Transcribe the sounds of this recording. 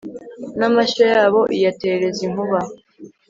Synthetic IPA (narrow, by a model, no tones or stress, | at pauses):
namaʃojaːβo̞ʔijateɾe̞ziŋ̥uβa